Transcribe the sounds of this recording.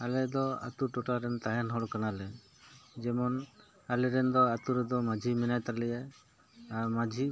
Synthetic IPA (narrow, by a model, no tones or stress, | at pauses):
alɛd̪ɔa̰t̪uʈɔʈaɾɛnt̪aɦanɦɔɽkanalɛ | d͡ʒɛmɔn | alɛɾɛnd̪ɔat̪uɾɛd̪ɔmad͡ʒʱiminajt̪aɾlɛja | aɾmad͡ʒʱi